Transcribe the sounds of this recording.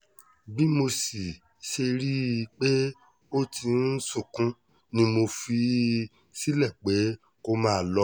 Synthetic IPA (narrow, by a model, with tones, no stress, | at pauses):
bi˦mo˧si˨ | ʃe˧ɾi˦˧k͡pe˦ | o˦tʰi˧n̩˦sũ˦˨kũ˦ | nĩ˧˦mo˧fi˧ | si˦lɛ˦˨k͡pe˨˦ | ko˧mãː˦˨lɔ˧˦